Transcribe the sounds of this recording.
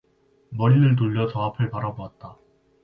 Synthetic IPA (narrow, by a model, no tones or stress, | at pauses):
mʌɾinɯɭt̬oʎːʌt͡ɕʌapʰɯɭpaɾaboat̚t͈a